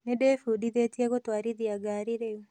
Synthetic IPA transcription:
nedefudiðetiɛɣotwaːɾiðiaɡaɾiɾewe

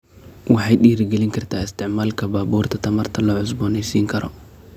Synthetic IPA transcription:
wɑħɑjɗiːɾɪɡɛlɪŋkʰɐrt̪ʰaːɪst̪ʰɪʕmaːlkʰɐbaːbuːrt̪ʰɐt̪ʰɐmɐrt̪ʰɐlɔːʕʊs̬bɔːnɛjsiːŋkʰɐɾɔ̰

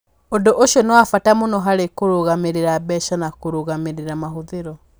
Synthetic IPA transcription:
ondoʔoʃjɔnɔwafatamonɔɦaɾekoɾoɣameɾeɾabɛʃanakoɾoɣameɾeɾamaɦoðeɾɔ

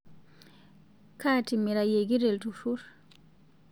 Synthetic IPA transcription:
kaːtimiɾajeɡiɾɛltufuɾ

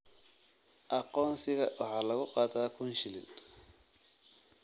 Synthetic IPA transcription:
ʔɑqɔːnsɪɣɐwʔɑħɑːlɐɣʊqɑːt̪ʰaːkʰʊnʃɪlɪ̰n

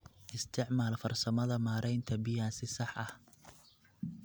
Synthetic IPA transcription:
ʔɪst̪ʰɪʕmaːlfɐrsɐmɐðɐmaːɾʔɛjnt̪ʰɐbɪjaːnsɪsɑħʔɐh

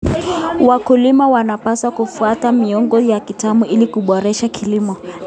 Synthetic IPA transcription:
wakulimawanapasakufuatamiɔŋɡɔjakitamuʔilikuɓɔɾɛʃakʰilimɔ

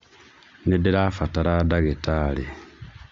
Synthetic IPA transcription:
nedeɾafataɾadaɣetalḛ

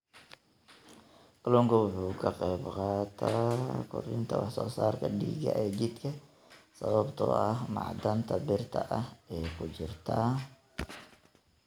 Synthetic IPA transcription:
klɔŋkʰɐwʊħuːkʰɐqɛːbqɑːt̪ʰaːkʰʊ̰rɪnt̪ʰɐwɑħsɔːsaːrkʰɐɖḭːɡɐ̰ʔɛːd͡ʒɪd̪kʰɐ | sɐβɐbt̪ʰɔ̰ːɐhmɑ̰ʕd̪ɐnt̪ʰɐbɪrt̪ʰɐ̰ʔɐhɛːkʰʊd͡ʒɪrt̪ʰaː

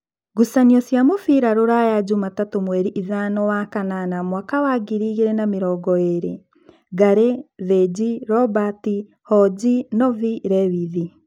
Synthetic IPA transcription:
ɡusaniɔsjamofiɾaɾoɾajad͡ʒumatatomwɛɾiʔiðanɔwakananamwakawaɡiɾiɣeɾɛnameɾɔɡɔeɾḛ | ɡaɾeðed͡ʑiɾɔbati | hɔd͡ʑinɔviɾɛwiði

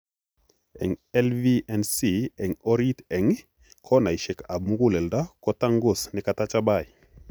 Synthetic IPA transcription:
ɛ̰ŋɛlviʔɛnsiɛŋoɾitɛŋ | kʰɔnajʃɛkabmuɡulɛldakɔtaŋɡusnɪkatat͡ʃabaj

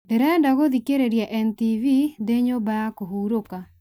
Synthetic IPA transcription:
dɛɾɛndaɡod̪ikeɾeɾjaʔɛntivid̪eɲobajakoɦuɾoka

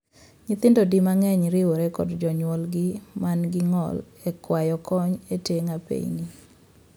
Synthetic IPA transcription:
ɲɪt̪ɪndodimaŋɛɲɾɪwoɾekɔdd͡ʒɔɲwɔlɡɪmanɡɪŋɔ̰l | ɛkwajɔkɔɲeteŋapḛɲni

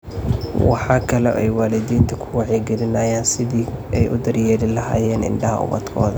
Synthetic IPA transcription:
wɑ̰ħɑːkʰɐlɔʔɛjwaːlɪðiːnt̪ʰɐkʰʊwɑʕɛɡɛlɪnaːjaːnsɪðiːɛjʔʊd̪ɐrjɛːɾɪlɐha̰ːjɛːnɪ̰nɖɐɦɐ̰ʊ̰βɐ̰d̪kʰɔ̰ːðɐ

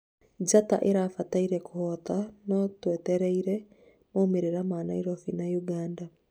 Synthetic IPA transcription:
d͡ʒata̰ʔeɾafataiɾɛkuhɔt̪anɔtwɛtɛɾɛiɾɛ | momeɾeɾamaːnaiɾɔfinajuɡaːnda

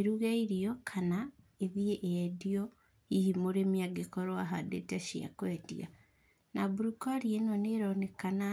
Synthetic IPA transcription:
eɾuɣaiɾiokʰanaeβieʔjadio | ihimoɾemiaɡekoɾoaɦadḛtaʃia̰kwedḭa̰ | nabuɾukaɾienoneɾonekana

